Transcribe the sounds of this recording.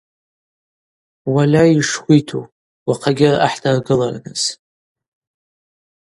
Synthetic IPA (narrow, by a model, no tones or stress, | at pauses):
walʲaiʂχʷitʰu | waqʰaɡʲɪra̰ħtʰarɡɨlarnɨz̥